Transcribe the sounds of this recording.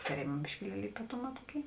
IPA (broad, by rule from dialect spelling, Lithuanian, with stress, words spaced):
tɐˈrʲeːmɐ bʲɪʃʲkʲɪˈlʲiɛlʲɪ iːpɐˈtʊˌmɑː ˈtuɔˌkʲeːɪ